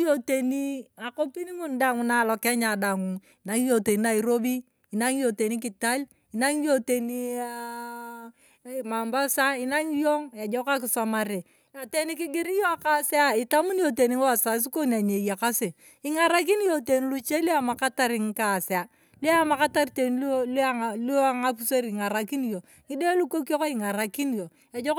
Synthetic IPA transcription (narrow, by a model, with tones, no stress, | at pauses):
jo˦te˨ni˦a˨ko˦pi˦ni˦ŋu˦nda˨ŋu˨na˨lɔ˨kɛ˦ɲa˨da˨ŋu˨ | i˨na˦ŋ˦jo˨te˨ni˦na˨i˨ɾo˦bi˦ | i˨na˦ŋ˦jo˨te˨ni˦k̬i˨ta˦l | i˨na˦ŋjo˦te˨ni˦a˦ | ma˨mba˦sa˦i˦na˦ŋ˦jo˦ŋa˨d͡ʒɔ˦ka˦k̬ɪ˨sa˨ma˨ɾe˨ | a˨te˦ni˦ki˦ɡɪ˦ɾi˦jo˦a˦ka˦se˦a˦i˨ta˦mu˦njo˨te˨ni˦ŋ˦wa˦˨sa˨˦s̬i˦ko˦n˨a˨ɲe˨ja˨ka˦sɪ˨ | i˨ŋa˨ɾa˦k̬i˦n˦jo˨te˨ni˦lu˦t͡ʃe˦li˦a˦˨ma˨ka˦ta˦ɾɪ˨ŋ˦ka˨sa˨ | li˦a˦ma˨ka˦ta˦rte˨n˦lla˦lo˦a˨ŋa˦pu˦se˦ɾi˨ŋa˨ɾa˨ki˦n˦jo˨ | ŋi˦de˦lu˦ko˦ko˦ko˦i˨ŋa˨ɾa˨ki˦n˦jo˨ | a˨d͡ʒo˦k